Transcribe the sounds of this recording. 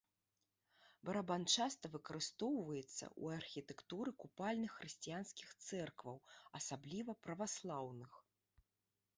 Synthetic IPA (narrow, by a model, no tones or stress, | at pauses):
bɐɾabant͡ʂast̪ɐvɨkɐɾɨst̪ɔwvɐjɛt̪sːɐ̰ʔṵarxʲit̪ɛkt̪uɾɨkupalʲnɨxːrɨsʲt͡sʲijanskʲixt̪sɛrkvɐwɐsablʲivɐpɾɐvaslˠawnɨx